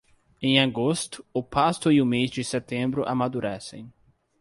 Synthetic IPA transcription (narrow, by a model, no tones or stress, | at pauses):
ẽj̃aɡost̪ʊʊpast̪ʊiʊmezd͡ʒɪsɛt̪ẽmbɾʊʔa̰mad̪uɾɛsḛ̃j̃